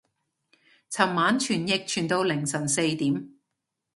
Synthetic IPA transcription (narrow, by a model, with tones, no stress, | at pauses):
t͡sʰɐ˨˩mmaː˨˥nt͡ʃʰyː˨˩njɪ˨˧k̚t͡ʃʰyː˨˩nt̪o˧wlɪ˨˩ŋsɐ˨˩nse˧jt̪iː˨˥m